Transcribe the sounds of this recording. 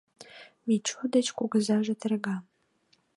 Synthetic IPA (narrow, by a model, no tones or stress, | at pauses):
mit͡ɕud̪ət͡ɕkuɡəzɑʒĕt̪ə̆rɡɑ